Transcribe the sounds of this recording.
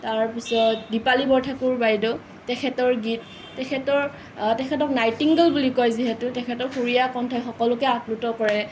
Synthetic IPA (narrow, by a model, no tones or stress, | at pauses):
taɹpisɔdipalibɔɹtʰakuɹbajdɔ | tɛkʰɛtɔɹɡit̚ː | ɛkʰɛtɔɹ | tɛkʰɛtɔknajtiŋɡəlbulikɔjziɦɛtʊtɛkʰɛtɔɹxuɹijakɔntʰɔjxɔkɔlʊkɛaklutɔkɔɹɛ